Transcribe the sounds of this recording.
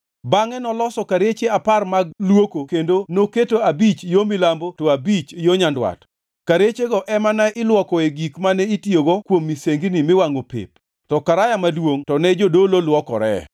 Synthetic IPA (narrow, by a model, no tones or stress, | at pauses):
baŋɛnɔlɔsɔkaɾet͡ʃeaparmaɡlwokokendonoketoabit͡ʃjomɪlambotoabit͡ʃjoɲandwa̰t | kaɾet͡ʃeɡɔʔɛmanaʔɪlwɔkɔeɡikmanɛitjoɡɔkwomːiseŋɡinimɪwaŋopḛp̚ | tɔkaɾajamadwoŋtɔnɛd͡ʒodololwɔkɔ̰ɾɛ̰